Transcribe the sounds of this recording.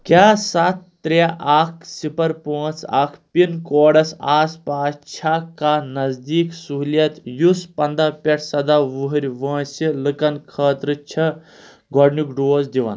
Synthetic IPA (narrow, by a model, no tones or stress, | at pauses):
kʲjaːsat̪ːɾaʔaːk̚ʰsipɐɾpoːt͡sa̰ːkʰpinkoːɽɐsaːspaːst͡ʃʰakanɐzd̪iːksuɦljɐt̪juspɐnd̪apʲeʈʰsɐd̪aʋuɦɐɾʲʋɐ̃ːsilɨkɐnkʰəːt̪ɾɨt͡ʃʰɐ | ɡʱɔɽnukɖoːzd̪iʋɐ̰n